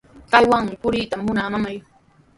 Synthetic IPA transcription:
kajwaŋmɪpʊɾit̪amːʊnamamaj

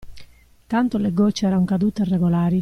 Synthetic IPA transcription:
t̪ant̪oleɡot͡ʃːɛːɾaŋkad̪uːt̪erːɛɡolaːɾi

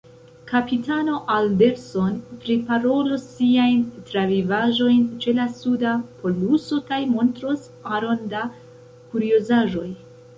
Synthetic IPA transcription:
kapitano̞ʔalde̞ɾso̞npɾipaɾo̞losːiajntɾavivaʒo̞jnt͡ʃe̞lasudapʰo̞luso̞kajmo̞ntɾo̞s | aɾo̞nda | kuɾiozaʒo̞j

